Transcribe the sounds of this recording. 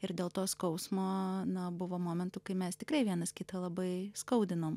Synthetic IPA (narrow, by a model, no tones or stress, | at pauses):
ɪɾd̪ʲeːlˠt̪oːskɐʊsmoːnɐbʊʋoːmoːmʲɛnt̪ukɐɪmʲɛst̪ʲɪkɾɐɪʋʲiɛnɐskʲɪt̪ɐlˠɐbɐɪskɐʊd̪ʲɪnoːm